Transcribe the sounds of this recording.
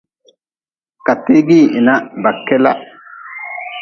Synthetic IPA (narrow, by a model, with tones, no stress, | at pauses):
ka˨t̪ːi˦ɡi˦˨ʔi˨na˦ba˨kːɛ˦la̰˦ʔ